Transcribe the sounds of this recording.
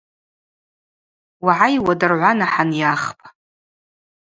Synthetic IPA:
waʕajwadɨrʕʷanaħanjaχpʰʼḁ

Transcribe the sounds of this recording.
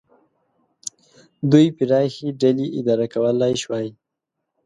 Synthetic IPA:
d̪ujpiɾɑxiɖaliʔɪ̰d̪ɑɾakawəlːɑjʃwɑji

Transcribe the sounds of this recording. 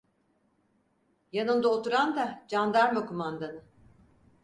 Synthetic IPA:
janɯnd̪aot̪uɾand̪ad͡ʒand̪aɾmakʰumand̪anɯ

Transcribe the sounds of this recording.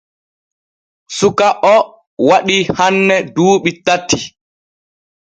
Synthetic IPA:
sukaʔɔ | waɗihanːɛduːɓitatːi

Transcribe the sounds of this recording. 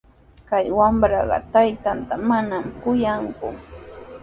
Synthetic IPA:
kajwambɾɑɢɑ̰t̪ajt̪ant̪amanamkʊjaŋkʊ̰

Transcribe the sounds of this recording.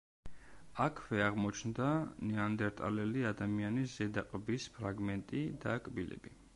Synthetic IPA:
akʰvɛaʁmɔt͡ʃʰnd̪anɛand̪ɛɾt̪ʼa̰lɛliad̪amianisz̥ɛd̪aqʼbispʰɾaɡmɛnt̪ʼid̪akʼbilɛ̰bi

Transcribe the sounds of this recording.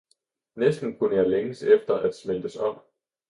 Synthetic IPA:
nesd̥n̩kʰunəjɑ̈ɪleŋəsefd̥ɐʔæd̥smeld̥əsɒ̽m̰

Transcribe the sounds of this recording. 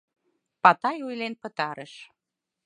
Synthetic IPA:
pɑt̪ɑjujlenpə̆t̪ɑɾəʃ

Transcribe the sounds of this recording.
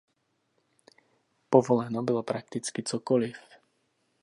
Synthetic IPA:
pɔʋɔlɛnɔbilɔpɾak̚t̪it͡skit͡ʃɔkɔlif

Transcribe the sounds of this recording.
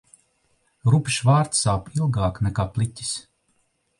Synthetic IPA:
ɾupʲʃvaːɾt̪saːpilˠɡaːknɛkaːplˠitʲi̥s

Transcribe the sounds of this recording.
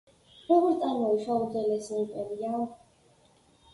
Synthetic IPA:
ɾɔɡɔɾt̪ʼanɔiʃaud̪zɛlɛsiupʼɛɾia

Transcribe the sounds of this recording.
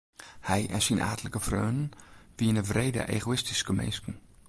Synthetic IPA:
hɛjʔɛnsina̰ːtələkəfrøːnn̩ʋiənəvreːdə̰ʔḛɣoɪstiskəmɛ̰nskn̩

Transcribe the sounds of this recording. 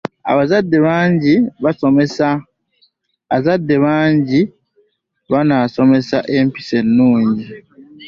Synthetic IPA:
a̰βazadːe̞βaːɲɟiβaso̞me̞sa | zadːe̞βaːɲɟi | βanaːso̞me̞saʔempi̥se̞nːuːɲɟi

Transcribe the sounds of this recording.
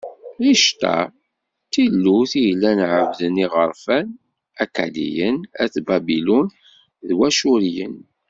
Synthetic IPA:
iʃt̪æ̰ | t̪ilːuθijəlːænʕəvðəniʁəɾˤfæn | æka̰lḭjənæθbæbilun | ðwæʃuɾjə̰n

